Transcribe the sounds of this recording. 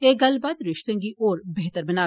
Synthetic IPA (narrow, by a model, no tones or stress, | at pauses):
eːɡɐlbaːd̪ɾɪʃt̪ẽkiʔoːɾbeɦt̪əɾbɐnaː